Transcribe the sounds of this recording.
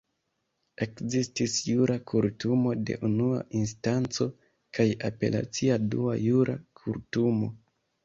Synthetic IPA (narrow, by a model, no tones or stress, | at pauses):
e̞kzistisjuɾʔakʰuɾtumo̞de̞̰ʔunua̰ʔins̬tant͡so̞ | kajape̞̰la̰t͡siadua̰juɾa̰kʰuɾtumo̞